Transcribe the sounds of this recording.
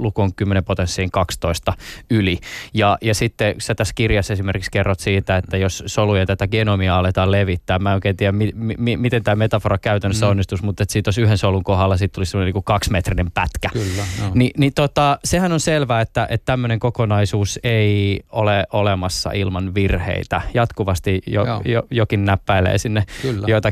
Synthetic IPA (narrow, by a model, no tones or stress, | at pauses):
lukoːŋkymːenempot̪ensːiːŋkɑkst̪oist̪ɑylijɑjɑsit̪ːesæt̪æskirjɑsesimerkikskerːot̪siːt̪æet̪ːæjossolujɑt̪æt̪æɡenomiɑɑlet̪ɑːleʋit̪ːæːmmænoˑkeːnt̪iːæmmimimimit̪ent̪æːmet̪ɑforɑkæyt̪ænːøsːeonːist̪usmut̪ːet̪sit̪josyhensoluŋkoɦɑlːɑsit̪t̪ulisemoneniːŋkukɑksmet̪rinempæt̪kæklːninit̪ot̪ɑsehænonselʋæːet̪ːæʔet̪t̪æmːøneŋkokonɑisuːseioleʔolemɑsːɑ̰ʔilmɑnʋirhḛit̪æjɑt̪kuʋɑst̪ijo̰jojokinnæpːæilḛːsinːejoit̪ɑ